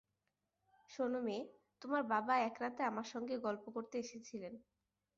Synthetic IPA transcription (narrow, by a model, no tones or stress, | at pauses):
ʃonomet̪omaɾbabaɛkɾat̪eamaɾʃɔŋɡeɡɔlpokoɾt̪eeʃet͡ɕʰilen